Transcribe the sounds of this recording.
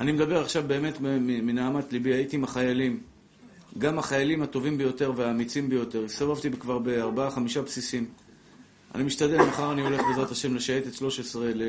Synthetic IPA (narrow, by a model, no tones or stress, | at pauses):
animed̪abe̞ʁaχʃavbe̞ːme̞tmminaːmatlibiait̪imaχajalim | ɡamaχajalimhat̪o̞vimbe̞jo̞t̪e̞ʁveaːmit͡simbe̞jo̞t̪e̞ʁsavavt̪ibekvaʁbe̞aʁbaaχamiʃapsisim | a̰nimiʃt̪ad̪e̞lmaχaʁanio̞le̞χbezʁat̪aʃe̞mle̞ʃaet̪et̪ʃlo̞ʃesʁele